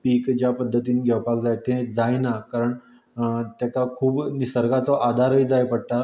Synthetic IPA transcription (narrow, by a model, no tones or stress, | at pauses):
piːkd͡ʑjapəd̪ʱːət̪iːnɡʱɛʋpakd͡zajt̪ẽd͡zajnakaɾəɳ | t̪jakakʰuːbnisəɾɡat͡sɔʔad̪ʱaɾɦəjd͡zajpəɽt̪a